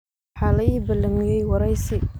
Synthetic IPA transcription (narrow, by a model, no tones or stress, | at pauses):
ħalajibələŋjajwaɾajsi